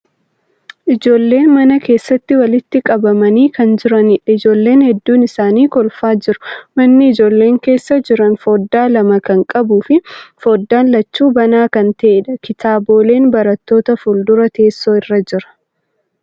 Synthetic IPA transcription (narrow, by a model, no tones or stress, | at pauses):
ʔɪd͡ʒo̞ːlːe̞ːnmɐnɐke̞ːsːɐt̪ːɪwɐlɪt̪ːɪkʼɐbɐmɐniːkɐnd͡ʒɪɾɐnɪᶑɐɪd͡ʒo̞ːlːe̞ːnhɛd̪ːuːnɪsaːniːkɔlfaːd͡ʒɪɾʊ̥mɐnːɪɪd͡ʒo̞ːlːe̞ːŋke̞ːsːɐd͡ʒɪɾɐnfo̞ːd̪ːaːlɐmɐkɐŋkʼɐbuːfɪfo̞ːd̪ːaːnlɐt͡ʃːuːbɐnaːkɐnt̪ɐʔeᶑɐkɪt̪aːbo̞ːle̞ːnbɐɾɐt̪ːo̞ːt̪ɐfʊld̪ʊɾɐt̪e̞ːsːo̞ːɪrːɐd͡ʒɪɾɐ̥